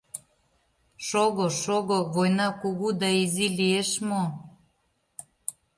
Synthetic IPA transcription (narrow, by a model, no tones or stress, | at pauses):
ʃoɣoʃoɣoβojnɑkuɣud̪ɑizilieʃmo